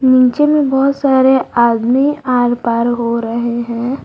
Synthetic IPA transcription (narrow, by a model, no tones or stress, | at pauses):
nĩːt͡ʃemẽbɔːt̪saːɾeaːd̪miaːɾpaːɾɦoɾɐɦeɦɛ̃ː